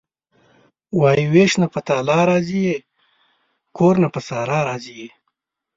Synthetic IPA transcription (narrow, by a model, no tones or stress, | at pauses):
wɑːiweʃnapət̪aːlɑːɾɑːzije | kʰoɾnapəsɑːɾɑːɾɑːzije